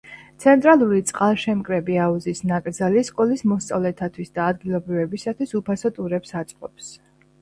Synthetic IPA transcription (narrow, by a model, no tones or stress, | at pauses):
t̪sʰɛnt̪ʼɾalˠuɾit̪sʼqʼalˠʃɛmkʼɾɛbiauzisnakʼɾd̪zaliskʼɔlismɔst̪sʼavlɛt̪ʰat̪ʰwisd̪aːd̪ɡilˠɔbɾivɛbisat̪ʰwisupʰasɔt̪ʼuɾɛpsat̪sʼqʼɔps